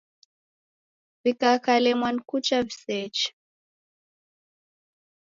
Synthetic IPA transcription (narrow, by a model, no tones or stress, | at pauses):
vikakalɛmwankut͡ʃavisɛt͡ʃ